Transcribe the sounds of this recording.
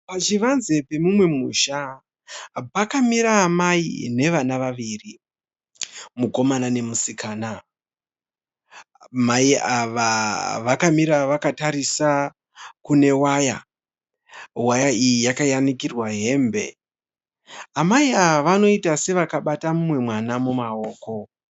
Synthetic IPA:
pat͡ʃiʋanze̞pe̞mumwe̞muːʃa | pakamiɾaːmaḭne̞ʋanaʋaʋiri | muko̞manane̞musikaːna | maiʔaʋaʋakamiɾaʋakataɾisa | kune̞waja̰ | wajaijijakajanikirwaɦe̞mbe̞̰ | amaiaʋʋano̞itase̞ʋakaɓatamumwe̞mwanamumao̞ːko̞

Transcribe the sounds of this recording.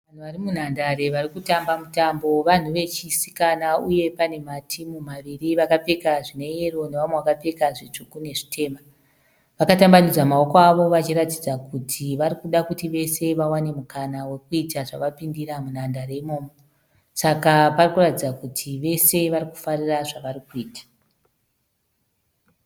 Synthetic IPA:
ʋan̤uʋarimun̤andaɾe̞ʋarikutambamutambo̞ʋan̤uʋe̞t͡ʃisikanauje̞pane̞matʰimumaʋiriʋakape̞kaʐine̞ero̞neʋamweʋakape̞kaʐit͡ʂukune̞ʐitʰe̞ːma | ʋakatambanid͡zamao̞koaʋo̞ʋat͡ʃiratid͡zakutʰiʋarikuɗakutiʋe̞se̞ʋawane̞mukanawekuitaʐaʋapindiɾamunandare̞imo̞ːmoo | sakaparikuratid͡zakutʰiʋe̞se̞ʋariku̥fariraʐaʋarikuiːtḁ

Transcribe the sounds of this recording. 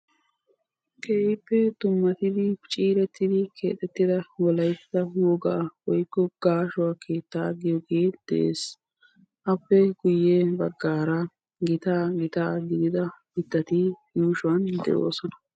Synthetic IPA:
kʰeːɪpːɛt̪ʊmːɐt̪ɪd̪ɪt͡ʃʼiːɾɛt̪ːɪd̪ɪkʰe̞̰ːt̪ʼɛt̪ːɪd̪ɐwɔlɐjsɐwɔɡaːwɔjkːɔɡ̥aːʃʊwaːkʰe̞ːt̪ːaːɡɪjɔɡeːd̪̥ɛ̰ʔḛːs | ʔɐpːɛɡʊjːebɐɡːaːɾa | ɡɪt̪aːɡɪt̪aːɡɪd̪ɪd̪ɐ | ɪd̪ːɐt̪ijuːʃʊwɐnd̪ɛ̰ʔo̰ːsɔnɐ̥

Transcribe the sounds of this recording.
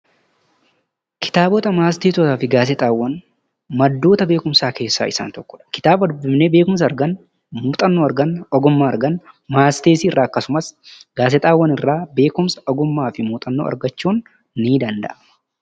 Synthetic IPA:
kɪ̥t̪aːbɔt̪ɐmaːst̪eːsɔt̪aːfɪɡaːsɛt̪ʼaːwːɐn | mɐd̪ːo̞ːt̪ɐbe̞ːkʊmsaːke̞ːsːa̰ːɪsːa̰ːnt̪ɔkːɔ̥ᶑɐ̥kɪ̥t̪aːbɐd̪ʊbɪmneːbe̞ːkʊms̬ɐɾɡɐn | muːt̪ʼɐnːoːɐɾɡɐnɔɡʊmːaːɐɾɡɐnmaːst̪eːsiːɪrːaːɐkːɐsʊmɐsɡ̥aːs̬ɛt̪ʼaːwːɐnɪrːaːbe̞ːkʊmsɐʔɔɡʊmːaːfɪmuːt̪ʼɐnːoːɐ̰ɾɡɐt͡ʃːuːnː | iːd̪ɐnd̪ɐ̰ʔɐ

